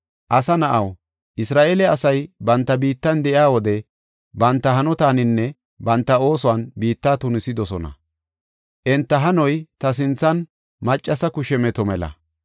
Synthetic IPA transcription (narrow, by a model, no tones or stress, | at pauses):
ʔɐsɐnɐʔɐw | ʔɪsɾaːʔeːlɛɐsɐjbɐnt̪ːɐbiːt̪ːɐnd̪ɛʔɪaːwɔd̪ɛ | bɐnt̪ːɐɦɐnɔt̪aːnɪnːɛ | bɐnt̪ːɐo̞ːsʊwaːnbiːt̪ːaːt̪ʊnɪsɪd̪ɔsɔnɐ̰ | ʔɛnt̪ːɐɦɐnɔjt̪ɐs̬ɪnt͡sːɐn | mɐt͡ʃʼːɐsɐkʊʃɛmɛt̪ɔmɛlɐ̰